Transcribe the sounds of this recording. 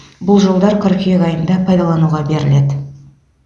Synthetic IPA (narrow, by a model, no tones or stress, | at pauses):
bʊlˠʒo̞lˠd̪ɑɾkʰʊɾkʲeɡɑjənd̪ɑpʰɑjd̪ɑlˠɑnuʁɑbe̞ɾɪled̪